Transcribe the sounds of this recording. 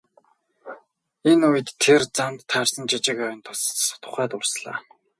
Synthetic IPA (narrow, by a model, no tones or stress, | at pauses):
enujə̆t̪ʰːert͡samt̪ʰːaːr̥sə̆nt͡ɕit͡ɕɪ̆kœwɪ̆nt̪ʰʊs̆sɔ̥t̪ʊ̥̆χæːt̪ʊrsɮa̰ː